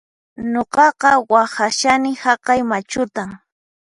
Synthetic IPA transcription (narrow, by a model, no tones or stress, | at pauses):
ɲoqɑqɑwahaʃanɪhɑqɑjmat͡ʃʊt̪aŋ